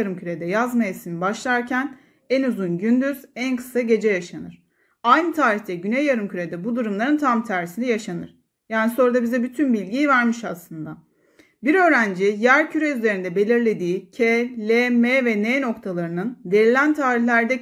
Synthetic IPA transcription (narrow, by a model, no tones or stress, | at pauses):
aɾɯmcʰyɾed̪ɛjazmajesinibaʃlˠaɾcʰæn | ænuzunɟynd̪yz̥ænkʰɯ̥saɟe̞d͡ʒɛjaʃanɯɾ̥ | ajnɯt̪ʰaːɾiçt̪ʰɛɟynejːaɾɯmcyɾed̪ɛbud̪uɾumlˠaɾɯnt̪ʰamt̪ʰæɾisind̪ɛjaʃanɯ̰ɾ̥ | jaːniso̞ɾd̪abizɛbyt̪ʰynbilʲɟijvæɾmiʃaslˠɯnd̪a | biɾø̞ːɾænd͡ʒijæɾcʰyɾɛyze̞ɾind̪ɛbe̞lʲiɾlʲe̞d̪iːcʰelʲemevɛneːno̞kt̪ʰalˠaɾɯnɯnd̪e̞ɾilʲænt̪ʰaːɾihlʲæɾd̪ɛ